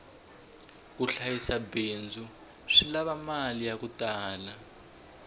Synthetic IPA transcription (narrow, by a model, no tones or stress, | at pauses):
kuɬajisabeːnd͡zʱu | ʂilaβamalijakutaːla